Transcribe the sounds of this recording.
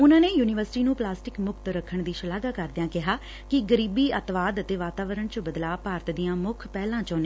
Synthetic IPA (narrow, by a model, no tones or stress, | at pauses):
ʊnãːneːjuːnɪʋəɾsɪʈiːnũːplaːsʈɪkmʊkt̪ɾəkʰːəɳd̪iːʃəlaːɡaːkəɾd̪ɪjãːkɪɦaː | kɪɡəɾiːbiːət̪ʋaːd̪ət̪eːʋaːt̪aːʋəɾəɳt͡ʃəbəd̪laːpaːɾət̪d̪ijãːmʊkʰpɛːlãːt͡ʃoːneː